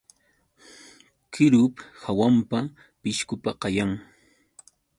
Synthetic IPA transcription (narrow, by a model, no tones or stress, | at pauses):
kɪɾʊphawampa | pɪʃkʊpaqɑjaŋ